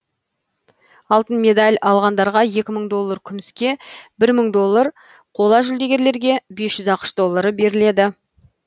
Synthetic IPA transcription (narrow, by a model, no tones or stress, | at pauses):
ɑlˠt̪ənmʲe̞d̪alʲɑlˠʁɑnd̪ɑɾʁɑje̞kʲɪməɴd̪o̞lˠːaɾkʲʰʏmɪskʲe̞bɪɾməɴd̪o̞lˠːəɾ | qʰo̞lˠɑʒʏld̪e̞ɡʲe̞ɾle̞ɾɡʲe̞be̞sʒ̥ʏzɑqə̥ʃd̪o̞lˠːaɾəbe̞ɾɪle̞d̪ɪ